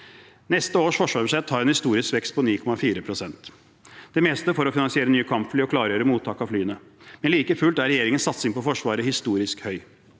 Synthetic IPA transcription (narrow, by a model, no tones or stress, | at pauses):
nɛst̪əoːʂfɔʂʋɑːɾəʂɛt̪ʰːɑːɾɛnhɪst̪uːɾɪskʋɛkst̪̚pʰɔniːkʰɔmɑfiːɾəpʰɾʊsɛnt̪ | d̪̥ɛmɛːst̪əfɔɾɔfɪnɑnsɪeːɾənyːəkʰɑmpfliːɔkʰlɑːɾəjøːɾəmuːt̪ʰːɑːkɑʋflyːənə | mɛnliːkəfʉlt̪æɾɛjeːɾɪŋənsɑt̪sɪŋpɔfɔʂʋɑːɾəhɪst̪uːɾɪskhœʏ